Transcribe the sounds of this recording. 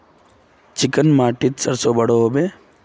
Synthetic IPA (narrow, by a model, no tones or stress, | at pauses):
t͡ʃɪkənmaːʈɪt̪səɾsobəɽoɦoːbeː